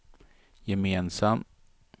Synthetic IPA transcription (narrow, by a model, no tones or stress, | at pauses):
jɛmeːnsam